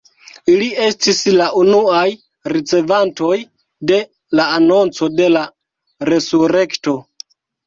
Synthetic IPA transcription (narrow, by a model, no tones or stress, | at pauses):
ilie̞stislaʔunuaj | ɾit͡se̞vanto̞j | de̞ | laːno̞nt͡so̞de̞la | ɾe̞suɾe̞kto̞